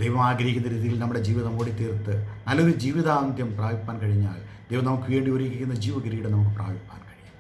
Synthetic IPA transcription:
d̪ejʋɐmaːɡɾɐɦikʲːunːɐɾiːðijilnɐmːuɽe̞d͡ʑiːʋiðɐmoːɽit̪iːrt̪ːɨnɐlːoɾud͡ʑiːʋiðaːnd̪jɐmpraːʋipːaːnkɐɻiɲːa̰ːld̪ejʋɐmnɐmukːɨʋeːɳɖioɾikʲːikʲːunːɐd͡ʑiːʋɐɡɾɐjiɽenɐmuk̬ːɨpra̰ːbipːa̰ːnkɐɻiɲːu

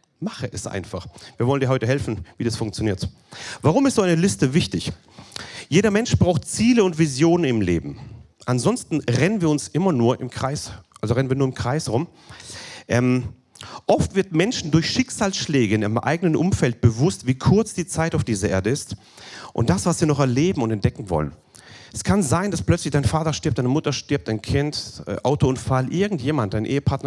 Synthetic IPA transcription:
maχəʔɛsʔa̰ɪnfaχviːɐvɔləndiːɐɦɔʏtəɦɛlfn̩viːdasfʊŋk̚t͡sjoniːɐt | vaːʁ̞ʊmɪstz̥oːʔaɪnəlɪstəvɪçtɪç | jeːɾɐmɛnʃb̥ʁaʊxtt͡siːləʊntv̥izjoːnənɪmlḛːbm̩ | ʔanzɔnstn̩ʁɛnənviːɐʊnsʔɪmɐnuːɐʔɪmkʁ̥aɪsʔalzoʁɛnviːɐnuːɐɪmkʁ̥aɪsʁʊm | ʔɛːm | ʔɔftv̥ɪɐtmɛnʃn̩dʊɐçʃɪkz̥aːlsʃlɛːɡəɪnɪəmʔa̰ɪɡənənʔʊmfɛlt̚b̥əvʊstv̥iːkʰʊɐt͡sd̥iːt͡saɪtaʊfd̥iːzɐʔḛːɐdəɪst | ʔʊ̰nt̚d̥asv̥asv̥iːɐnɔχɛɐleːbm̩ʊntɛntd̥ɛkŋ̩vɔ̰lə̰n | ʔɛskʰanzaɪnd̥asplœt͡slɪçd̥aɪnfaːtɐʃtɪɐp̚d̥aɪnəmʊtɐʃtɪɐp̚td̥aɪnkʰɪntɛ̰ʔaʊtoʊntfalʔɪɐɡŋ̩tjeːmant̚d̥aɪnʔḛːəpʰaɐtnɐ

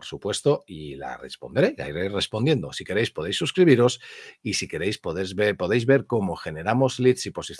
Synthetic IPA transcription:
ɾsupwe̞st̪o̞ila̰re̞̰spo̞nd̪ɾe̞la̰iɾere̞spo̞nje̞nd̪o̞̰sike̞ɾe̞jspo̞ðejsːuskɾiβiɾo̞sisike̞ɾe̞jspoðezβepo̞ð̞e̞jzβe̞ɾko̞mo̞xe̞ne̞ɾamo̞zlit̪sipo̞siθ

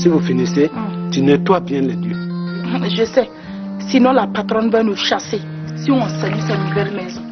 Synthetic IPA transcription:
sivofinĩsetinɛ̃tʊabɛ̃nlɛdjẽzesɛ | sinɔ̃lapʰat̪ɾɔ̃nvɛnũʃasɪ | siɔ̃salisanĩvɛɾmɛ̃s

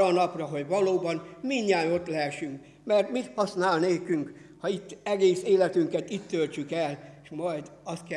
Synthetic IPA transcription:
ɒːnɒprɒɦo̞ɟʋɒloːbɒnmiɲːaːjo̞t̪lɛʃyŋk | mɛrt̪mit̪hɒsnaːlneːkyŋk | hɒit̪ːɛɡeːseːlɛt̪yŋkɛt̪it̪ːølt͡ʃykɛlʃmɒjd̪ɒst̪̚kɛ

